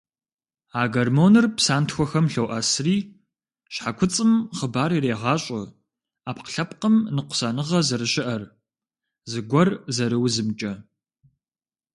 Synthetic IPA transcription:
aːɡɐrmoːnɨrpsaːntxʷɔxɐmɬɐwʔɐsriː | ɕħakʷʰʊt͡sʼɨmχəbaːɾireːʁɑːɕʼɐ | aːpqə̥ɬɐpqəmnɨqʷʊ̥sɐnɨʁɐzɨɾɨɕɪʔɐr | zɨɡʷɔrzɐɾɨwzɨmt͡ʃʼɐ

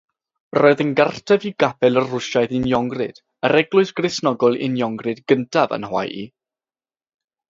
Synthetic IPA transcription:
roɨðənɡartʰɛviɡabɛlˠərʊʃaɨðɪnjɔŋɡrɨ̰d̥ | əɾɛɡlˠʊɨsɡ̥rɪsnɔɡɔlˠɪ̰njɔŋɡrɨdɡəntʰavə̰nhwa̰jḭ

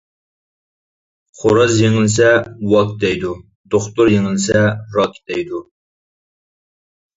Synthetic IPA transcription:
χʰoɾɑzjeŋɪlɪsɛwɑk̚d̪ɛjd̪u | d̪oχt̪ʊɾjeŋɪlɪsɛɾɑkʲʰd̪ɛjd̪u

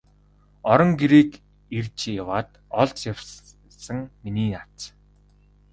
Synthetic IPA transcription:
ɔɾɞ̆ŋɡeɾiːk | irt͡ɕʰjawaːt̪ | ɔɮt͡sjaw | sə̆ŋminiːat͡s

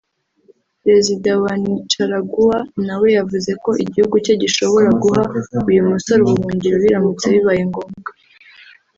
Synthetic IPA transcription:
pɾe̞zidawanit͡ʃaɾaɡuwanawe̞javuze̞ko̞ʔiɟihuɡuco̞ɟiʃo̞βo̞ɾaɡuɦaujumuso̞ɾowuβuːɲɟiɾoβiɾamut͡seβiβajeŋɡo̞ːmɡa

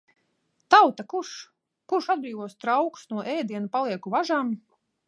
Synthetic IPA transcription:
t̪awt̪akuʃ | kuɾʃad̪̚bɾiːvɔst̪ɾawksnuɔʔɛːjd̪iɛnupalˠiɛkuvaʒaːm

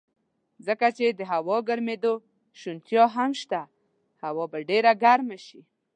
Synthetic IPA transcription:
zəkat͡ʃed̪əɦawɔɡaɾmed̪o | ʃunt̪jɑɦamʃt̪a | hawɔbaɖeɾaɡaɾmaʃi

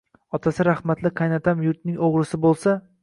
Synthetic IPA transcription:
ɒt̪ʰasɪɾahmat̪lɪqʰajnat̪ʰamjʊɾt̪̚nɪŋoʁɾɪsɪbolˠsa

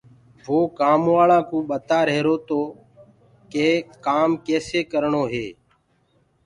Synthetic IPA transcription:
ʋoːkaːmʋaːɭãːkũːɓət̪aːɾeɦɾoːt̪oː | keːkaːmkeːseːkəɾɳoːɦeː

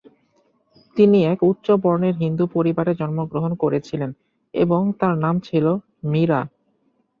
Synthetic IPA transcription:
t̪iniɛkut̪ːɕobɔɾneɾɦind̪upoɾibaɾed͡ʑɔnmoɡɾoɦonkoɾet͡ɕʰilen | ḛboŋt̪aɾnamt͡ɕʰilo | miɾa

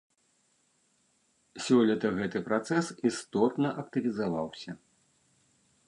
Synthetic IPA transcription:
sʲɔlʲɐt̪ɐɣɛt̪ɨpɾat̪sɛsist̪ɔt̪nɐʔɐk̚t̪ɨvʲizavawsʲɐ

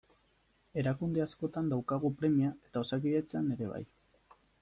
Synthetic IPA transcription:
e̞ɾakund̪e̞asko̞t̪and̪awkaɣ̞upɾe̞miae̞t̪ao̞sak̬iʎet͡seane̞ɾe̞β̞a̰j

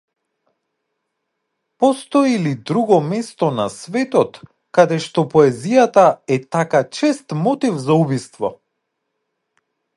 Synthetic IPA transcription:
pɔst̪ɔilid̪ɾuɡɔmɛst̪ɔnasvɛt̪ɔt̪ | kad̪ɛʃt̪ɔpɔɛzijat̪aɛt̪akat͡ʃɛst̪mɔt̪ifzaubist̪vɔ̰

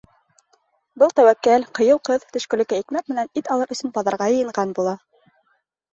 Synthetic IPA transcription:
bɤlˠt̪æwækːælqɤ̆jɤwqɤðt̪ɵ̆ʃkɵ̆lɘ̆kæikmæk̚mɘ̆nænit̪ɑlˠɤɾʔɵ̆sɵnbɑðɑɾʁɑjɤ̆jɤ̆ɴɢɑnbulˠɑ

